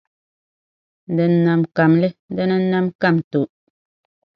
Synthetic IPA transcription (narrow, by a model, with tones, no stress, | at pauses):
dɨ˨nː˨a˨mka˨mlɨ˦dɨ˦nɨ˦nːa˦mka˦˨mto˨